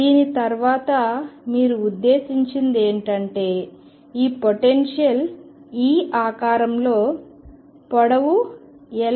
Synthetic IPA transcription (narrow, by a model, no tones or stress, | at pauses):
d̪iːnit̪ɐɾʋaːt̪ɐmiːɾuud̪ːe̞ːsiɲt͡ʃind̪e̞ːɳʈɐɳʈe̞ː | iːpoʈenʂjɐl | iːʔaːkaːɾɐmlo̞ː | pɔɽɐʋuɛl